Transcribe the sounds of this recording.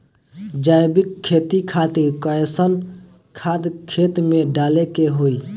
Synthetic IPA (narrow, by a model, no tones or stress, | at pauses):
d͡ʒajbikʰːet̪ikʰat̪iɾkəsən | kʰad̪kʰet̪meɖalekeɦoj